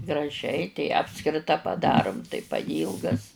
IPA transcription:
ɡrɐˈʒʲɛɪ tʲɛɪ ˈɑːpskrʲɪtɐ pɐˈdɑːrʊm tɐɪ pɐˈjiːlˠɡɐs

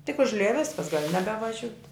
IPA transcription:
tʲɪk ʊʒʲˈlʲɪjɛ ˈʋʲɪskɐs ɡɐlʲ nʲɛbʲɛʋɐˈʒʲʊtʲ

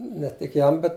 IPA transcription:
nʲɛ tʲɪk ˈjɛm ˈbʲɛt

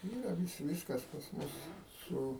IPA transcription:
ˈiːrɐ ˈʋʲɪs ˈʋʲiːskɐs pɐs ˈmʊs ˈsʊ

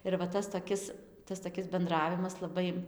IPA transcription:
ɪr ʋɐ ˈtɐs toːˈkʲɪs ˈtɐs toːˈkʲɪs bʲɛnˈdrɑːʋʲɪmɐs lˠɐˈbɐɪ

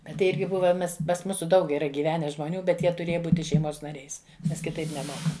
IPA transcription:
ˈbʲɛt tɐɪ ˈɪrʲɡʲɪ ˈbʊʋɐ ˈmʲɛs pɐs ˈmuːsʊ ˈdɐʊk iːˈrɐ ɡʲiːˈʋʲæːnʲɛ ʒmoːˈnʲuː bʲɛt ˈjiɛ tʊˈrʲeːjɛ ˈbuːtʲɪ ʃʲɛɪˈmoːs nɐˈrʲɛɪs ˈnʲɛs kʲɪˈtɐɪp nʲɛˈmoːkɐ

